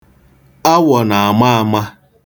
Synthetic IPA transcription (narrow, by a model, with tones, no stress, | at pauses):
a˦wɔ˨na˨a˨ma˦a˨ma˦